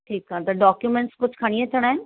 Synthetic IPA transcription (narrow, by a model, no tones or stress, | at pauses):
ʈʰiːkãːt̪ɐɖɔːkjumẽɳʈskʊd͡ʑʰʱkʰaɽ̃iet̪ʰɐɽ̃aɦẽ